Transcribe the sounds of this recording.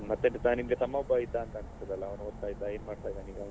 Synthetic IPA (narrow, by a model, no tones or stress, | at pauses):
mɐt̪ːeɳʈt̪aːnimɡet̪ʰɐmːɐɔbɐit̪ːaːnt̪aɐnst̪ɐd̪ɐlːɐːʋnuɦoɾt̪aːjid̪ːajeːnmaːɖt̪aːjd̪aːniːɡɐʋ